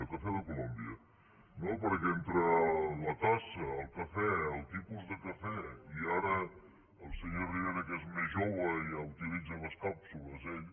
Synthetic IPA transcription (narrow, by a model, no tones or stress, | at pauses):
əlˠkəfɛðəkulombiə | nopəɾkent̪ɾələt̪asəːlˠkəfɛəlˠt̪ipuzðəkəfɛiaɾə | əlˠsəɲorianəkezmezʒoβəiəwt̪ilid͡zəβəskapsuləzeʎ